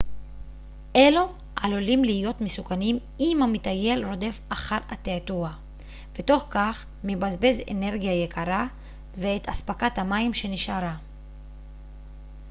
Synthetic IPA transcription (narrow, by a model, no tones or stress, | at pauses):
ʔelo̞ | ʔalolimliijo̞tmesukanim | imhamitaje̞lɾo̞de̞faχaɾat̪eatua | ve̞to̞χkaχ | mebazbe̞zḛne̞ʁɡijajekʰaɾa | veetaspakathamaimʃe̞niʃaɾa